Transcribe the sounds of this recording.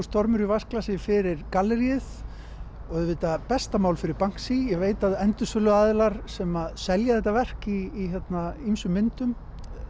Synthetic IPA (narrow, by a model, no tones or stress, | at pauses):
st̪ɔɾmʏɾivasklasɪfɪɾɪɾkalːɛɾiɪð | ɔɣɛðvɪt̪apɛst̪amaːwlfɪɾɪɾpaŋ̥ksijɛɣveːjt̪aðɛnt̪ʏsœlʏaːðɪlaɾ̥sɛmaðsɛljaðθɛht̪avɛr̥ciːçɛt̪naimsʏmːɪnt̪ʏm